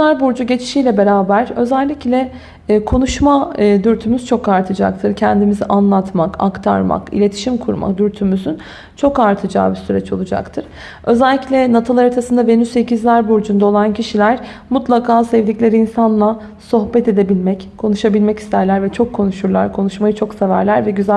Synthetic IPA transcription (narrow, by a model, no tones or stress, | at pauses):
æɾbuɾd͡ʒuɟe̞t͡ʃʰi̥ʃijlʲɛbe̞ɾaːbæɾø̞zɛlʲːiclʲɛː | kʰo̞nuʃmad̪yɾt̪ʰymyzt͡ʃʰo̞kaɾt̪ʰɯd͡ʒa̰k̚t̪ʰɯɾcʰɛnd̪imiziʔanlˠat̪makʰa̰kt̪ʰa̰ɾma̰kḭlʲe̞t̪ʰi̥ʃimkʰuɾma̰kd̪yɾt̪ʰymyzyn | t͡ʃʰo̞kaɾt̪ʰɯd͡ʒa̰ːbisyɾɛt͡ʃo̞lˠud͡ʒa̰kt̪ʰɯɾ̥ | ø̞zɛlʲːiclʲɛnat̪ʰalˠaɾat̪ʰasɯnd̪ave̞nyse̞cʰizlʲæɾbuɾd͡ʒund̪aolˠancʰiʃilʲæɾ | mut̪lˠakʰaːsɛvd̪iclʲeɾiinsanlˠa | so̞hbɛt̪e̞d̪e̞bilʲmɛckʰo̞nuʃabilʲmɛci̥st̪ʰæɾlʲæɾvɛt͡ʃʰo̞kʰːo̞nuʃuɾlˠa̰ɾkʰo̞nuʃmajɯt͡ʃʰo̞ksevæɾlʲæɾvɛɟyz